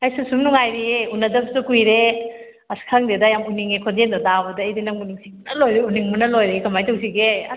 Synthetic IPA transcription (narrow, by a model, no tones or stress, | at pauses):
ɐjsusumnuŋajɾieunɐdɐbsukujɾe | ɐskʰaŋdedɐjamuniŋekʰondendɐdabɐdɐːjdinɐŋmuniŋsimunɐlojɾeuniŋmunɐlojɾekɐmajtɐws̬iɡe